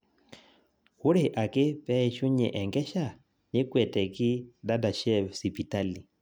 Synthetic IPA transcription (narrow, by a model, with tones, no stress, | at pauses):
u˦ɾɪ˨ʔa˨kɪ˦pɛ˦ɛ˦ʃu˦ɲɛ̰˨ʔɛ˨ŋɡɛ˦ʃa˦˨ | ni˦kwɛ˨tɛ˨ki˦da˦da˨ʃɛ˦si˨pi˨ta˦li˨